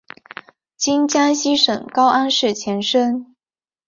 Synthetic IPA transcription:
t͡ɕi˥nt͡ɕja˥nɕi˥ʂɤ̰˨˩ŋkɑ˥ʊʔa˥nʂɻ̩˥˩t͡ɕʰjɛ˧˥nʂə˥n

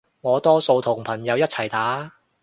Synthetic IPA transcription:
ŋɔː˨˧t̪ɔː˥so˧wt̪ʰʊ˨˩ŋpʰɐ˨˩njɐ˨˧wjɐ˥t̚t͡sʰɐ˨˩jt̪aː˨˥

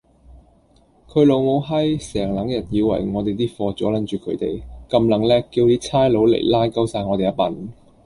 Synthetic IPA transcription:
kʰɵ˨˧˥lo˨˧wmo˨˥wɦɐ˥jsɛː˨˩ŋlɐ˨˥ŋjɐ˨t̚jiː˨˧wɐ̰˨˩jŋɔː˨˧t̪e˨˩jt̪iː˥fɔː˧t͡sɔː˨˥lɐ˨˥nt͡ʃyː˨kʰɵ˨˧ɥt̪e˨˩jkɐ˧mlɐ˨˥ŋlɛː˥kiː˧wt̪iː˥t͡sʰaː˥jlo˨˧˥wlḛ˨˩jlaː˥jkɐ˥wsaː˧jŋɔː˨˧te˨jɐ˦˥tpɐ̰˨˩n

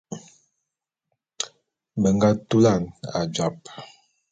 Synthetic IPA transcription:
bə˨ŋɡa˦tu˦la˦˨na̰˨d͡ʒa˨p̚

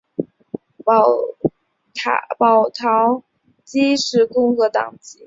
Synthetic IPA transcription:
pɑ˨˩ʊt̪ʰɑ˧˥ʊ | t͡ɕi˥ʂɻ̩˧˥kʊ˥ŋkɤ˧˥t̪ɑ̰˨˩ŋt͡ɕi˧˥˦

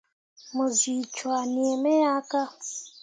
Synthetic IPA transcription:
mu˨zi˨t͡ʃwa˨ni˨ɛ˨me˦ja˦ka˦

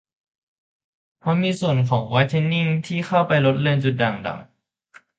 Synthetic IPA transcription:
pʰa˧˥wmiː˧su˨˩ənkʰɔː˩˦ŋwɔː˧˥jt̪ʰe˧˥nːi˥˩ŋt̪ʰiː˥˩xʰa˥˩wpa˧jlo˦˥t̪̚le˧nt͡ɕu˨˩t̪̚da˨˩ŋda̰ː˨˩ŋ

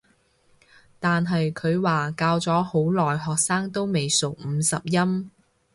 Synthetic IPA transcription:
t̪aː˨nɦɐ˨jkʰɵ˨˧ɥwaː˨kaː˧wt͡sɔː˨˥ho˨˥wlɔː˨jɦɔː˨k̚saː˥ŋt̪o˥wme˨jso˨wm̩˨˧sɐ˨p̚jɐ˥m

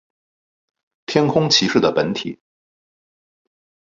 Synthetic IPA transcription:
t̪ʰjɛ˥nkʰʊ˥ŋt͡ɕʰi˧˥ʂɻ̩˥˩d̪ə˩pə˧˥nt̪ʰi˨˩˦

